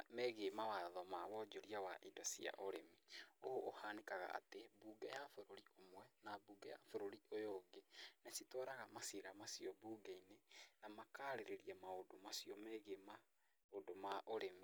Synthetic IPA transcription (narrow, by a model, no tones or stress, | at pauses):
meɣeːmawaðɔmawɔd͡ʑoɾiawaʔidɔsia̰ʔoɾemioʔːhanekaɣa̰a̰tebuːɡɛjafoɾoɾiomwɛnabuːɡɛja̰foɾoɾiojoːɡenasitɔɾaɣamasiɾamasiɔbuːɡainenamakaːɾeɾeɾiɛmaodomasiɔmeɣema | odomaʔoɾemi